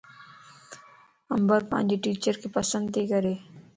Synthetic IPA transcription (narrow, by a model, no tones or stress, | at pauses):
əmbəɾpã̰ːnd͡ʒiʈiːt͡ʃəɾkipəsə̃nd̪t̪ekəɾeː